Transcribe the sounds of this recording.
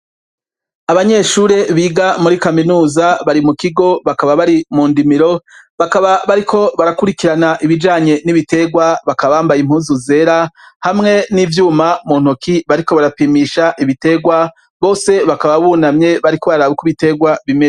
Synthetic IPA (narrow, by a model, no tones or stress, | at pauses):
aβaɲe̞ʃuɾe̞βiːɡamuɾikaminuːzaβaɾimukiɡo̞βakaβaβaɾimuːndimiɾo̞βakaβaβaɾikʰo̞βaɾakuɾikiɾanaʔiβid͡ʒaːɲe̞niβite̞ɡwaβakaβaβaːmbajim̥uːnzuze̞ɾahamŋe̞niːvjuːmamuːn̥okiβaɾiko̞βaɾapimiʃaʔiβite̞ɡwa | βo̞ːse̞βakaβaβunamɲe̞βaɾiko̞βaɾaːβukuβite̞ɡwaβime